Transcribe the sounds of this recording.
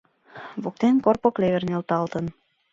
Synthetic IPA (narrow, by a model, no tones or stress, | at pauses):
βok̚t̪enkorpokleβernelt̪ɑlt̪ən